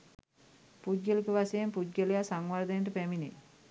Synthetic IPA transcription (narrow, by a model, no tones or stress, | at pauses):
pudɡəlikəʋasejempudɡəlejasaŋʋaɾd̪əjnʈəpæminḛ